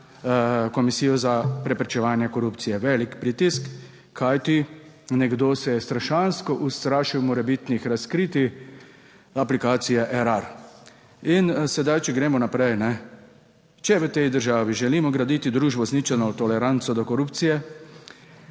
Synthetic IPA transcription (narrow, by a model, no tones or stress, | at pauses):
kɔmisiːjɔzapɾɛpɾɛt͡ʃɛʋaːnjɛkɔɾupt̪sijɛʋɛːlikpɾit̪iskʰː | ajt̪i | nɛɡd̪oːsɛjɛst̪ɾaʃanskɔʔust̪ɾaːʃiwmɔɾɛbit̪nixɾaskɾiːt̪i | aplikaːt̪sijɛʔɛɾaɾ | insɛd̪ajt͡ʃɛɡɾeːmɔnapɾɛjnɛ | t͡ʃɛʋət̪ɛjd̪əɾʒaːʋiʒɛliːmɔɡɾad̪iːt̪id̪ɾuːʒbɔznit͡ʃɛnɔt̪ɔlɛɾant̪sɔd̪ɔkɔɾuːpt̪sijɛ